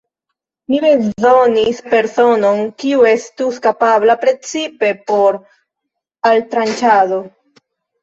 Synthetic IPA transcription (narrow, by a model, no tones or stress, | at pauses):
mibe̞zonispe̞ɾso̞no̞nkiue̞stuskapablapɾe̞t͡sipe̞po̞ɾ | altɾant͡ʃado̞